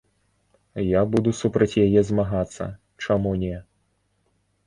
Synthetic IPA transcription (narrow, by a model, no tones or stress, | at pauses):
jabud̪usupɾɐt͡sʲjajɛzmaɣat̪sːɐ̰ | t͡ʂamunʲɛ